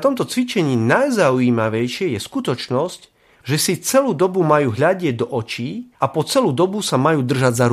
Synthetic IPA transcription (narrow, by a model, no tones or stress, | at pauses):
t̪ɔmt̪ɔt͡sʋit͡ʃɛɲiːnajzauiːmaʋɛjʃɪɛjɛskut̪ɔt͡ʃnɔsc | ʒɛsit͡sɛluːd̪ɔbumajuːɦʎaɟɪɛɟ̚d̪ɔʔɔt͡ʃiːapɔt͡sɛluːd̪ɔbusamajuːd̪r̩ʒaɟzaɾ